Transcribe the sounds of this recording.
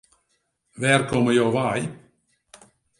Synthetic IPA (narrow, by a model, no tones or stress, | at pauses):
ʋɛːrkɔməjowʋaj